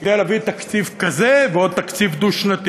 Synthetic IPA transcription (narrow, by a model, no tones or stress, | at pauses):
d̪ejlaːvit̪ɐkt͡sivkazeveod̪̚t̪ɐkt͡sivd̪uʃnat̪i